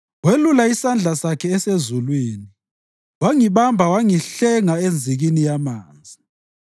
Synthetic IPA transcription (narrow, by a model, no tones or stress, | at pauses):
welulaisand͡ɮʱasakʰɛːsezulwiːni | waŋiβambʱawaŋiɬɛŋaend͡zʱiɣinijamaːnd͡zʱi